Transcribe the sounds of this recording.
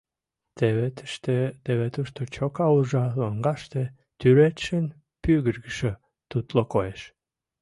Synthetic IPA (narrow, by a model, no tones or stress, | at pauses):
t̪eβet̪ʃt̪et̪eβet̪uʃt̪ot͡ɕokɑuʒɑlɑŋɡɑʃt̪e | t̪yɾet̪ʃən | pyɣəɾɡəʃə | t̪ut̪lokojeʃ